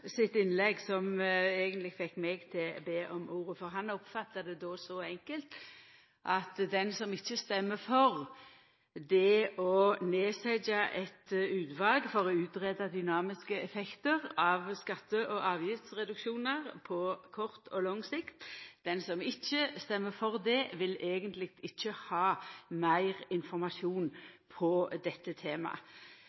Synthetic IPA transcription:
sɪt̪ɪnlɛɡsɔmeːɡənt̪lɪfɛkːmɛɡt̪ʰɪlbeːʔɔmʔuːʁəfɔʁɦɑnɔpfɑt̪ːɑd̪ɛd̪oːsɔɛŋkəlt̪ | ʔɑt̪d̪ɛnsɔmɪçːəst̪ɛmːəfɔʁ | d̪ɛɔneːsɛd͡ʒɑʔɛt̪ʉːt̪ʋɑːlɡfɔʁɔʉːt̪ʁɛd̪ɑd̪ʏnɑːmɪskəɛfɛkt̪əʁɑʋskɑt̪ːəʔɔʔɑːʋjɪft̪sʁɛd̪ʉkʃuːnəʁpʰɔkʰɔʁt̪ʰɔlɔŋsɪkt̪d̪̥ɛnsɔmɪçːəst̪ɛmːəfɔʁd̪ɛʋɪleːɡənt̪lɪɡ̚t̪ɪçːəhɑːmæɪʁɪnfɔɾmɑʃuːnpʰɔd̪ɛt̪ːət̪ʰeːmɑ̰

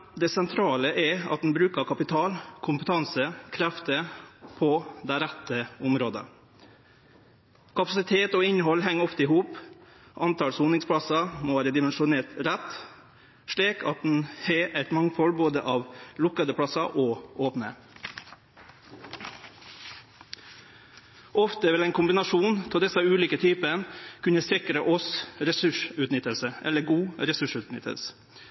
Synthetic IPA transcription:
d̪ɛsɛnt̪ʰɾɑːləʔɛɑ̰t̪̚d̪n̩bɾʉːkəɾkʰɑpɪt̪ʰɑːlkʰʊmpət̪ʰɑnsəkʰɾæft̪əpʰɔd̪æɪɾæt̪ːəʊmɾoːd̪ə̰ | kʰɑpɑsɪt̪ʰeːt̪ɔɪnːəɦɔlɦɛŋːɔft̪əɪɦuːp | ʔɑnt̪ʰɑːlsuːnɪŋspʰɽɑsɑmoʋæːɾəd̪ɪmɛnʂʊneːt̪ɾɛt̪ː | ʂɭiːkʰɑ̰t̪̚d̪n̩heʔɛɪt̪mɑŋfɔlboːd̪ə̰ʔɑːʋlʊkɑd̪əpʰɽɑsɑʔoːʔoːpnə̰ | ʔɔft̪əʋɪlæɪnkʰʊmbɪnɑʂuːnt̪ʰɪld̪ɛsɑʉːliːkət̪ʰyːpənkʰʉnəsɪkɾəʔɔsɾɛsʉʂʉːt̪nɪt̪ːəlsəʔɛ̰lːəɡuːɾɛsʉʂʉːt̪nɪ̰t̪ʰːə̰s

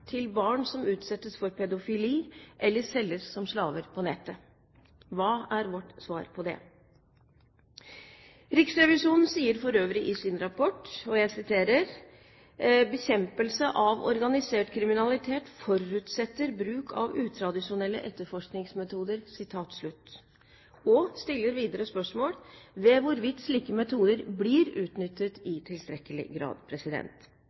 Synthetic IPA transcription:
t̪ʰɪlbɑːɳsɔmʉːt̪sɛt̪ːəsfɔɾpʰɛd̪ʊfɪliːʔɛlːəsɛlːəssɔmslɑːʋəɾpʰɔnɛt̪ːə | ʋɑːæɾʋɔʈsʋɑ̰ːɾpʰɔd̪ɛ̰ | ɾɪksɾɛʋɪʂuːnn̩siːəɾfɔɾøːʋɾɪʔɪsɪnɾɑpʰɔʈːɔjæɪsɪt̪ʰeːɾəɾ | bəçɛmpəlsəʔɑʋɔ̰ɾɡɑnɪseːʈkʰɾɪmɪnɑlɪt̪ʰeːt̪fɔɾʉːt̪sɛt̪ːəɾbɾʉːkʰɑ̰ʋʉːt̪ʰɾɑd̪ɪʂʊnɛlːə̰ʔɛt̪ːəɾfɔʂknɪŋsmɛt̪ʰuːd̪əɾsɪt̪ʰɑːt̪sɭʉt̪ː | ɔst̪ɪlːəɾʋiːd̪əɾəspœʂmoːɽʋɛʋʊɾʋɪt̪ːʂliːkəmɛt̪ʰuːd̪əɾblɪɾʉːt̪nʏt̪ːət̪ɪt̪ʰɪlst̪ɾɛkəlɪ̰ɡɾɑ̰ːd̪pʰɾɛsɪd̪ɛ̰nt̪

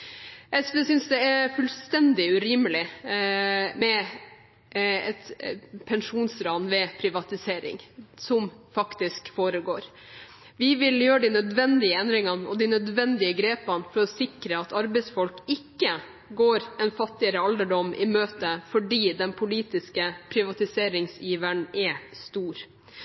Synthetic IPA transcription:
ʔɛsʋɛːsʏnsd̪ɛæɾfʉlst̪ɛnd̪ɪʉɾɪməlɪ | mɛ | ɛt̪pʰɛnʂuːnsɾɑːnʋɛpʰɾɪʋɑt̪ɪseːɾɪ̰ŋsɔmfɑkt̪ɪskfoːɾəɡoːɾ | ʋɪʋɪljøːɾəɖ̪inœd̪ʋɛnd̪ɪəɛnd̪ɾɪŋɑnɔd̪ɪnœd̪ʋɛnd̪ɪəɡɾeːpənfɔɾɔsɪkɾəɑt̪ɑɾbɛɪsfɔlkɪkːə | ɡoːɾɛnfɑt̪ːɪəɾəɑld̪əɖɔmːʔɪmøːt̪əfɔɖiːd̪ɛnpʰʊliːt̪ɪskəpʰɾɪʋɑt̪ɪseːɾɪŋsjiːʋəɳɛst̪uːɾ

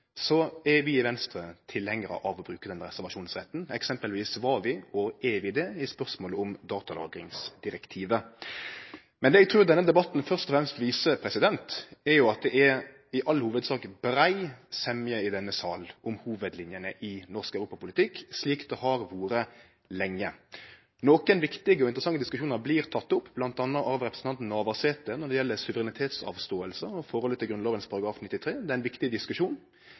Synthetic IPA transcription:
sɔɛɾʋɪːʋɛnst̪ɾət̪ʰɪlhɛŋːəɾə̰ʔɑʋɔbɾʉːkəd̪ɛnːəɾɛsæʁʋɑʂuːnsʁɛt̪ːn̩ɛksɛmpəlʋiːsʋɑʋɪɔɛʋɪd̪ɛɪspœʁsmoːləʊmd̪ɑːt̪ɑlɑ̰ːɡɾɪŋsd̪ɪɾɛkt̪ʰiːʋə | mɛnd̪ɛːɛɡ̚t̪ʰɾʉːɾd̪ɛnːəd̪ɛbɑt̪ːn̩fœʁʂt̪ɔfɾɛmst̪ʋiːsəpʰɾɛsɪd̪ɛnt̪æɾjʊɑt̪̚d̪ɛʔæɾ | ɪʔɑlːhuːʋəd̪sɑːkbɾæɪsɛmjəɪd̪ɛnːəsɑːlɔmhuːʋəd̪lɪnjənəʔɪnɔʁskæʉɾuːpɑpʊlɪt̪ʰɪkːsliːkd̪ɛhɑɾʋuːɾə | lɛŋːə | noːkənʋɪkt̪ɪɡəɔɪnt̪ɾəsɑŋːəd̪ɪskʉʂuːnɑɾbliːɾt̪ʰɑt̪ːʊpːblɑnt̪ɑnːəʔɑʋɾɛpɾəsn̩ʰɑnt̪n̩ɑːʋɑseːt̪ənɔɖ̪ɛjɛlːəɾsʉʋəɾɛnɪt̪ʰeːt̪sɑ̰ːʋst̪oːəlsəɔfɔɾɔlət̪ʰɪlɡɾʉnɑːʋənspʰɑɾɑɡɾɑːfnɪt̪ːɪt̪ʰɾeːd̪ɛæɪnʋɪkt̪ɪd̪ɪskʉʂuːn

